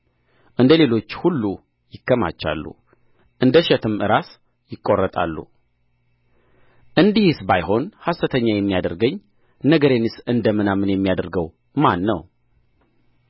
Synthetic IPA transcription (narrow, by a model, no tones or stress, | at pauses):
ʔɨnd̪əle̞lo̞t͡ʃːhulːu | jɪkʰːəma̰t͡ʃːa̰lːṵ | ʔɨnd̪əʃɛt̪ʰɨmʔɨɾas | jɪkʼːo̞rːət̪ʼa̰lːṵ | ʔɨnd̪ihsbajho̞nhasət̪ʰəɲːajɛmːijad̪əɾɡəɲː | nəɡəɾenɨsɨnd̪əmɨnamɨnjɛmːijad̪əɾɡəw | manːə̰w